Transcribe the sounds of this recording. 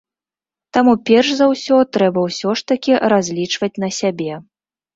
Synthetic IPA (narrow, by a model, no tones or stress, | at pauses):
t̪amupʲɛrʂzawsʲɔt̪ɾɛbɐwsʲɔʂt̪ɐkʲiɾazʲlʲit͡ʂvɐt͡sʲn̪ɐsʲabʲɛ